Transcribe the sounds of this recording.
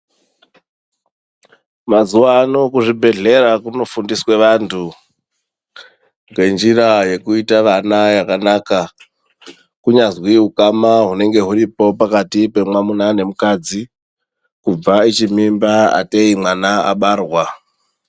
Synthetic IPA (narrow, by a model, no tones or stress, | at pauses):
mazuwaːno̞kuʐibʱe̞ɮe̞ɾakuno̞fundiswe̞ʋantʰu | ŋɡe̞nd͡ʒiraje̞kuitaʋanajakanaka | kuɲazwiɦukamaɦune̞ŋɡe̞ɦuripo̞pakatipe̞mwamunane̞mukad͡zi | kub͡vait͡ʃimimbaa̰teimwanaa̰ɓaːrwa